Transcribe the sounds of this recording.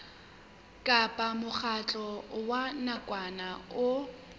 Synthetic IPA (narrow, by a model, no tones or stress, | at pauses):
kʼapʼamʊk͡xʰat͡ɬʼɔwanakʼwanaʊ